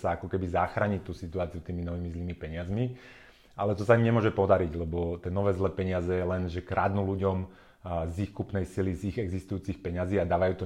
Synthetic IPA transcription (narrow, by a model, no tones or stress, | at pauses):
saakɔkɛbizaxɾaːɲict̪uːsit̪uaːt͡siut̪iːminɔʋiːmizliːmipɛɲɪazmi | ʔalɛt̪ɔsaimɲɛmʊɔʒɛpɔd̪aɾiɟlɛbɔt̪ɛnɔʋɛːzlɛːpɛɲɪazɛjɛlɛnʒɛkɾʔad̪nuluɟɔm | zixkupnɛjsiliziɣɛɡzist̪ujuːt͡sixpɛɲaziːad̪aːʋajuːt̪ɔ